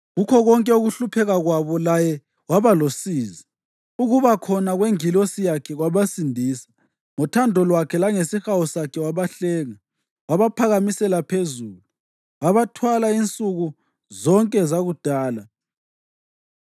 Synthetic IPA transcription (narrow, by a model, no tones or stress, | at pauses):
ɣukʰɔɣɔŋkʼɛuɣuɬupʰɛɣaɣwaβɔlajɛ | waβalosiːzi | uɣuβakʰɔnaɣweŋilosijakʰɛɣwaβasindʱiːsḁ | ŋɔtʰandʱɔlwakʰɛlaŋesixawɔsakʰɛwaβaɬɛːŋa | waβapʰaɣamisɛlapʰezuːlu | waβatʰwalaint͡sʼuɣu | zɔŋkʼɛzaɣud̥ʱaːla